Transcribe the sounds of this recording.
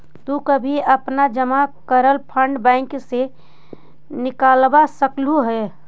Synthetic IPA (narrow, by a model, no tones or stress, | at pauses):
t̪ukəbʱiəpnad͡ʒəmakəɾəlpʰəɳɖbɛ̃ɪŋkse | nɪkaːlbasəkluɦɛ